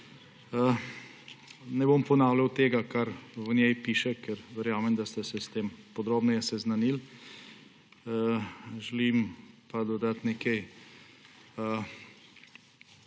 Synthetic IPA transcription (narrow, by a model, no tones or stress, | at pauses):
ə | nɛbompɔnaːwlawt̪eːɡakaɾʋənjɛjpiːʃɛkɛɾʋɛɾjaːmɛmd̪ast̪ɛsɛst̪eːmpɔd̪ɾoːbnɛjɛsɛznanil | ʒɛlimpad̪ɔd̪at̪nɛkej | ə